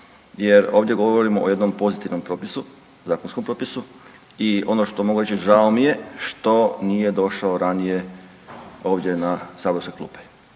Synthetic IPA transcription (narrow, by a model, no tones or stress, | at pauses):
jeɾo̞ːʋd̪je̞ɡo̞ʋoɾimooje̞d̪no̞mpo̞zit̪iʋno̞mpɾopisu | zaːkonsko̞mpɾopisu | io̞noʃt̪o̞moɡuɾe̞t͡ʃiʒaomijeʃt̪o̞nije̞d̪o̞ʃaoɾanije | o̞ːʋd̪ʲje̞nasaːboskeklˠṵːpe̥